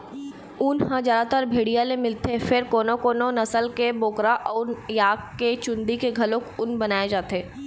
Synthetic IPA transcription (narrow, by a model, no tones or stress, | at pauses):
ʊnɦãd͡ʒjaːd̪at̪əɾbʱeːɽijalẽmɪlt̪ʰefɪɾkoːnokoːnonɐsəlkeboːkɾaʔɔːɾjaːkket͡ʃʊ̃nd̪ikeɡʱɐlõkʊnbɐnaːed͡ʒaːt̪eː